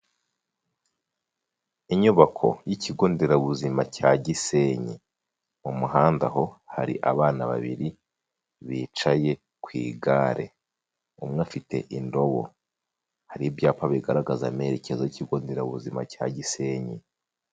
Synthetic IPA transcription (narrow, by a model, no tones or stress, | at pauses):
iɲuβakʰo̞̰jicʰiɡo̞ːnde̞ɾaβuzimacaɟiseɲḭ | mumuhaːnda̰ho̞haɾḭʔaβaːnaβa̰βiɾi | βiːt͡ʃaje̞ | kwiːɡaːɾʔe̞̰ | umŋafitʰe̞̰ʔindo̞βo̞̰ | haɾibjaːpaβiɡaɾaɡazame̞ɾecʰe̞zojiciɡo̞ːnde̞ɾaβuzima̰ca̰ɟiseɲi